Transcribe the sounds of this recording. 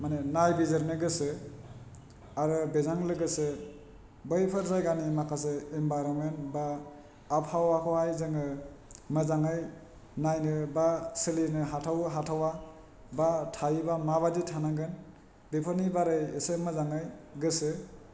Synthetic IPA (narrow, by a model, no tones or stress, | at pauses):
manenajbizaɾnɯɡɯsɯ | aɾɯbezaŋlɯɡɯsɯ | bəjpʰɯɾzajɡanimakʰas̬ɯembajɾɔnmentbaː | p̚hawakʰɔhajzɯŋɯmɯzaŋɯj | najnɯbasɯlinɯɦatʰawɦatʰawa | batʰajibamaβaditʰanaɡɯn | bepʰɔnibaɾɯjesɯmɯzaŋajɡɯsɯ